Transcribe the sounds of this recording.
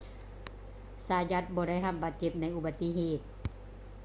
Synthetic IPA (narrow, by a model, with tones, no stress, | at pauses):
saː˧˦ja˧˦˥t̪̚bɔː˧˦ɾa˥˩jɦa˧˩p̚baː˨˦t̪̚t͡ɕe˧˩p̚na˧˥jʔu˧ba˧t̪ːi˧˨ɦeː˨˩t̪̚